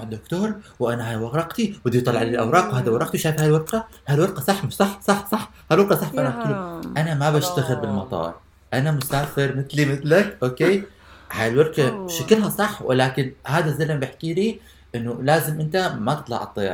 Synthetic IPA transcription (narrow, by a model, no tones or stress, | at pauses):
ʕd̪ʊkt̪oːɾˤwʔanaɦajwɑɣɑqt̪iwɪd̪ijt̪ˤɑlːɑʕʔalɪlʔawɾˤɑːqwhaːd̪awɑɾˤɑqt̪iwʃaːjfhajlwɑɾˤqahaːlwɑɾqɑsˤɑħːmʃsˤɑħːsˤɑħːsˤɑħːhaːlwɑɾqɑsˤɑħfaʔanaakiluʔanamabaʃt̪aɣɪlbɪlmɑt̪ˤɑ̰ːɾˤ | ʔanamʊsaːfɪɾmɪt̪limɪt̪lakʔoːkeː | haːjlwɑɾˤqaʃakɪlɦasˤɑħːwɪ̰laːkɪnhaːd̪azːalɪmbɪħkiːliː | ʔɪnːʊlaːzɪmʔɪnt̪amat̪ɑ̥t̪ˤlɑ̰ʕɑ̰t̪ˤːɑjɑ̰ɾ